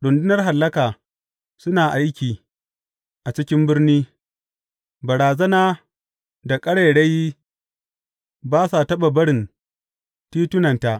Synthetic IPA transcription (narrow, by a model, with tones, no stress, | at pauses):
ɽʊ˨ndʊ˦nɐ˦rɦa˨lːɐ˦kaː˨ | sʊ˦naː˨ʔa˦jkʲiː˨ | ʔa˨t͡ʃɪ˦kʲɪ˦mbɪ˦rniː˦ | bɐ˨ɽaː˨zɐ˦naː˦ | da˨kʼɐ˦ɽe˨ɽe˦ji˦ | baː˦sa˨tɐ˦ɓa˨bɐ˦ɽɪ˨n | tiː˦tʊ˦nɐ˨nta˨ʔ